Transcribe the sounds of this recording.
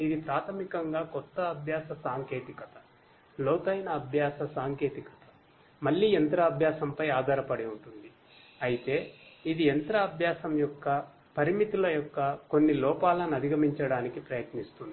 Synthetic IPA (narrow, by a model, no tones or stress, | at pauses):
id̪ipɾaːt̪ʰɐmikɐŋɡaːkɔt̪ːɐːbʱjaːsɐsaːŋke̞ːt̪ikɐt̪ɐ | lɔːt̪ɐjnɐːbʱjaːsɐsaːŋke̞ːt̪ikɐ̥t̪ɐ̥ | mɐlːiːent̪ɾɐːbʱjaːsɐmpɐjaːd̪ʱaːɾɐpɐɽiuɳʈund̪i | ɐjit̪e̞ːid̪ient̪ɾɐːbʱjaːsɐmjɔkːɐ | pɐɾimit̪ulɐjɔkːɐko̞nːilɔːpaːlɐnɐd̪iɡɐmiɲt͡ʃɐɽaːnikipɾɐjɐt̪nist̪und̪i